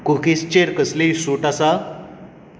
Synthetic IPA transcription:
kukist͡ɕeɾkəslisuʈasa

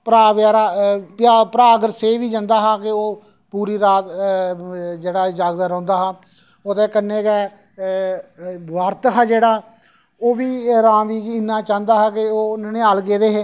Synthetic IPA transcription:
pɾaːʋjaːɾaːpjaːpəɾaːɡəɾseːʋiːd͡ʒãːnd̪aːɦaːkɪoː | puːɾiːɾaːt̪ | d͡ʒeːɽaːd͡ʒaːɡd̪aːɾə̃ːnd̪aːɦaː | oːt̪eːkənːeːkɛː | ʋaːɾt̪ɦaːd͡ʒeːɽaː | oːʋiːɾãːʋiːkɪnːaːt͡ʃãːnd̪aːɦaːkɪoːnənɪjaːlɡeːd̪eːɦeː

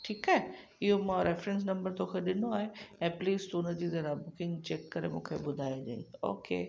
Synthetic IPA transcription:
ʈʰiːkaːɦe | ɪɦomãːɾefɾɛ̃ns̬nɐ̃mbəɾt̪okʰeɗɪnoaːɦeɛ̃ːpliːst̪uʊnəd͡ʑiːzɐɾabʊkɪ̃ŋɡt͡ɕeːkːɐɾemũːkʰeɓʊd̪ʱaːjad͡ʑaḭ̃o̰ːkḛː

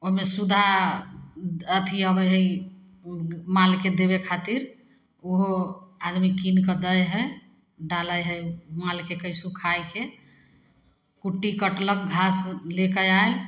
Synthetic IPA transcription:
oɦmesud̪ʱa | ət̪ʰiəbəjɦəi | malked̪ebekʰat̪iɾ | oɦoad̪mikinkəd̪əjɦə | ɖaləjɦəmalkekəjsukʰajke | kuʈːikəʈlək̚ɡʱaslekəjael

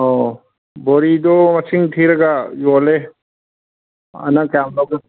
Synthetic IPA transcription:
o | boːɾid̪omɐsiŋɡt̪ʰiɾɐɡajoːle | ɐ̰nãkaːmloɡɐ

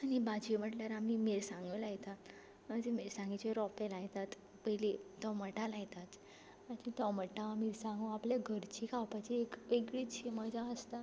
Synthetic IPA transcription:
anibad͡ʑim̤əʈljaɾamimeɾsãŋɡəlajt̪a | ət̪emeɾsãŋɡit͡ɕeɾɔpelajt̪at̪ | pəɦjlit̪ɔməʈalajt̪at̪ | atit̪ɔməʈamiɾsãŋɡuapljaɡʱəɾt͡ɕikawpat͡ɕiekʋeɡɭit͡ɕiməd͡ʑʱaəst̪a

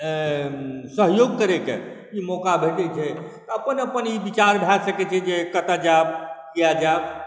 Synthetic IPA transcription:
səɦjoɡ̚kəɾekḛ | imokabʱeʈɛt͡ʃʰɛt̪ɔəpənəpənibit͡ʃaɾbʱɛsəkɛt͡ʃʰɛd͡ʒekət̪ad͡ʒabkijad͡ʒab

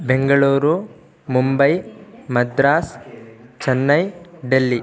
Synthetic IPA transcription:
beŋɡɐɭuːɾu | mumbɐjmɐd̪ɾaːst͡ʃɐnːɐjɖelːi

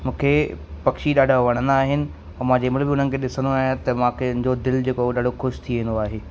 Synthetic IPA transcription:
mũːkʰepɐkʃiɗaːɖʱaʋɐɽ̃ə̃nd̪aːɦɪnɪ̆ | ɐmãːɲd͡ʑemɪlbɪʊn̤ənɪ̆kʰeːɗɪsənd̪oaːɦɪt̪ɐmãkʰeʊnɪ̃ɲd͡ʑod̪ɪld͡ʑeːkoɗaːɖʱoxʊʃt̪ʰiʋẽːnd̪oaːɦeː

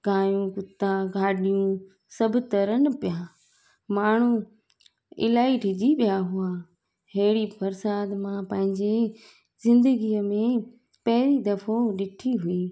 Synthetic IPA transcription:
ɡaːjũkʊt̪aɡʱaːɗijũ | sɐbʱɪt̪ɐɾənɪ̆pɪja | maːɳ̤ũ | ɪ̰laːiʈʰɪd͡ʑiɓijaɦʊaː | ɦeːɽifʰɐɾsaːd̪mãpɐ̃ɦɪ̃ɲd͡ʑe | zɪ̃nd̪əɡiːəmẽ | pɐɦɪɾid̪ɐfoɗɪʈʰiɦuiː

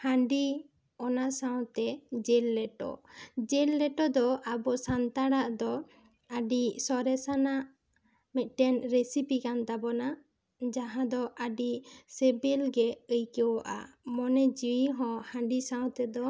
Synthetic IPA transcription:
hãɳɖi | ɔnasaw̃t̪ɛd͡ʒɛlːɛʈɔ̰d͡ʒɛlːɛʈɔd̪ɔabɔsant̪aɽaʔd̪ɔ | əɖisɔɾɛsanaʔ | mɛt̪̚ˀʈɛnɾesipikant̪abɔna | d͡ʒaɦãd̪ɔʔəɖisɛbɛlɡɛəjkəwɔʔa̰mɔnɛd͡ʒiiɦɔ̃hãɳɖisãw̃t̪ɛd̪ɔ

